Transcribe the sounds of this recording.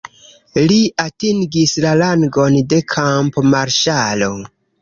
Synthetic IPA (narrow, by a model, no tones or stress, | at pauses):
liatiŋɡislalaŋɡo̞nde̞kʰampmaɾʃalo̞